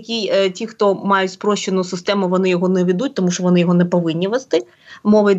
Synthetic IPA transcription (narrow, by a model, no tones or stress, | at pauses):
kʲijtʲixt̪ɔmɑjʊtʲspɾɔʃt͡ʃenʊsɪst̪ɛmʊʋɔnɪjɔɦɔnɛʋʲid̪utʲt̪ɔmuʃt͡ʃɔʋɔnɪjɔɦɔnɛpɔʋɪnʲːiʋɛst̪ɪ | mɔʋɪ